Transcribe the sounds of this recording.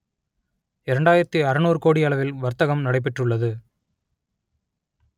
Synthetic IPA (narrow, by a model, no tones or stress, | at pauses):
ɪɾɐɳɖaːjɪɾɐt̪ːɯɐɾɐnoːɾɯkoːɽiɐɭɐʋɪlʋɐɾt̪ɐɣɐmnɐɽɐɪp̬ːɛʈrɯɭːɐðɯ